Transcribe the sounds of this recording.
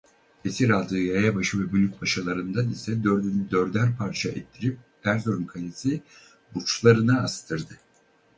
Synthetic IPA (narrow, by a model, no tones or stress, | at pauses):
esiɾalˠd̪ɯːjajabaʃɯvɛbylʲyc̚ʲbaʃalˠaɾɯnd̪anisɛd̪ɾyd̪øɾd̪æɾpʰaɾt͡ʃʰaɛt̪ʰːiɾip̚ | hæɾzoɾumkʰalʲesi | but͡ʃlˠaɾɯnaːst̪ʰɯɾd̪ɯ